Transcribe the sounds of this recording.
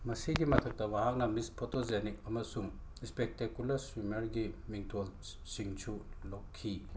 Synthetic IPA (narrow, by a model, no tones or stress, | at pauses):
mɐsiɡimɐtʰɐk̚tɐbaɦak̚nɐmispʰotozenik̚ɐmɐsuŋispek̚tekjulɐɾsumɐɾɡimiŋtʰol | siŋt͡ʃʰulokkʰːi